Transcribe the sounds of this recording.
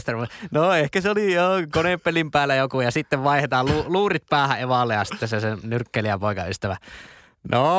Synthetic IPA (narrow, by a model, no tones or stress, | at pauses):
st̪ermunoehkæseolijokoneppelimpæːlːˑæjokujɑsit̪ːeʋʋɑˑehet̪ɑːlluluːrit̪̚pæːhæʔeʋɑlːejjɑsit̪ːesesenyrkːeliæpoˑikɑ̰yst̪æʋæ | no